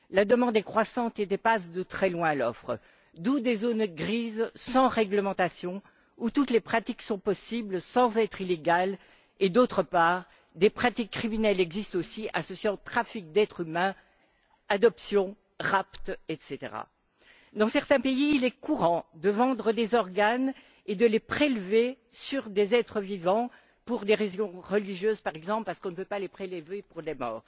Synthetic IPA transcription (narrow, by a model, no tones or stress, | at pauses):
lad̪əmɑ̃d̪ɛkχwasɑ̃t̪et̪ɛpasd̪ət̪χɛlwɛ̃alɔfχə | d̪ud̪ezonɡʁizsɑ̃ʁɛɡləmɑ̃t̪asjɔ̃ | ut̪ut̪lepχat̪iksɔ̃pɔsiblsɑ̃zɛt̪χileɡal | ed̪ot̪χəpaːʁ | d̪epχat̪ikːχiminɛlɛɡzist̪osiʔa̰sɔsjeɑ̃t̪χafik̚d̪ɛt̪χymɛ̃ | ad̪ɔpsjɔ̃ | ʁapt̪ɛt̪set̪ḛʁa̰ | d̪ɑ̃sɛʁt̪ɛ̃peiːlɛkuʁɑ̃d̪əvɑ̃d̪ʁəd̪ezɔʁɡan | ed̪əlepχelve | syʁd̪ezɛt̪χəvivɑ̃ | puʁd̪eʁezjɔ̃ʁəliʒjøzpaʁɛɡzɑ̃plpaʁsə̥kɔ̃nəpøpalepχelvepuʁd̪emɔ̰ːʁ